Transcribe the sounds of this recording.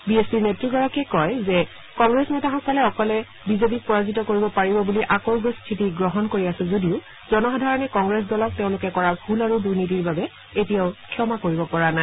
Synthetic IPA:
biespiɹnetɹiɡɔɹɔkɛkɔjzɛ | kɔŋɡɹesnɛtaɦɔkalɛɔkɔlɛ | bizepik̚pɔɹazitɔkoɹibɔpaɹibɔbuliʔakɔɹɡɔstʰitiɡɹɔɦɔnkoɹiasɛzodiʊ | zɔnɔxɔdʱaɹɔnɛkɔŋɡɹes̬dɔlɔk̚teʊ̃lʊkɛkɔɹabʱulaɹuduɹnitiɹbabɛ | etijaʊkʰjɔmakoɹibɔpɔɹana

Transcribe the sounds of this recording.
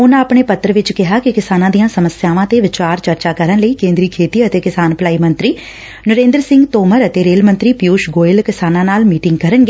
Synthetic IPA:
ʊnaːpɳeːpət̪ːəɾəʋɪt͡ʃkɪɦaːkɪkɪsaːnãːd̪ijãːsəməsɪjaːʋãːt̪eːʋɪt͡ʃaːɾt͡ʃəɾt͡ʃaːkəɾənləiːkẽːnd̪ɾiːkʰeːt̪iːət̪eːkɪsaːnplaːiːmənt̪ɾiː | nəɾẽːnd̪əɾsɪ̃ŋɡt̪oːməɾət̪eːɾeːlmənt̪ɾiːpɪjuːʃɡoːɪlkɪsaːnãːnaːlmiːʈɪŋɡkəɾənɡeː

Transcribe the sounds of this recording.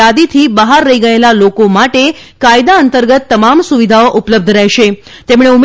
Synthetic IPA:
ad̪it̪ʰibəɦaɾːəɦiɡəelalokomaʈe | kajd̪aənt̪əɾɡət̪ːəmamsuʋid̪ʱaoʔupləb̚d̪ʱɾɛɦʃe | t̪emɳ̃eum

